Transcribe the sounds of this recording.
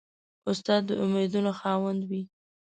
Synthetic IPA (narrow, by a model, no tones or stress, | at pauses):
ʊst̪ɑd̪ːəʔʊmed̪unoxɑwand̪wi